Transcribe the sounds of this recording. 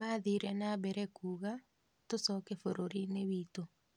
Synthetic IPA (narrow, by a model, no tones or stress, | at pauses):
aðiɾɛnabɛɾɛkuɣa | tosɔkefoɾoɾineβito